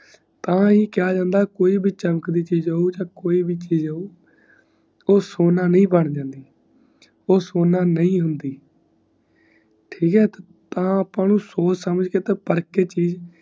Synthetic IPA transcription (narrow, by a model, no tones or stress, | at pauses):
t̪ãːiːkɪjaːd͡ʒãːnd̪aːkoːiːbʱiːt͡ʃəməkd̪iːt͡ʃiːd͡ʒaːuːd͡ʒãːkoːiːbiːt͡ʃiːd͡ʒaːuː | oːsoːnaːnəĩːbəɳd͡ʒãːnd̪iː | oːsoːnãːnəĩːɦʊnd̪iː | ʈʰiːkɦɛːt̪ː | t̪ãːəpãːnũːsoːt͡ʃsəməd͡ʒɡeːt̪eːpəɾkeːt͡ʃiːd͡ʒ